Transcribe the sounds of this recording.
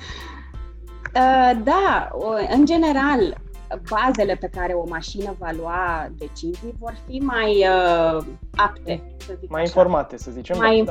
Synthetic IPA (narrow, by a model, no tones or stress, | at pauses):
əd̪a | ɨnd͡ʒe̞ne̞ɾal | baze̞le̞pe̞kaɾe̞o̞maʃinəvaluad̪e̞t͡ʃizijvo̞rfimajə | apt̪e̞ | səzimajinfo̞rmat̪esəzit͡ʃemajin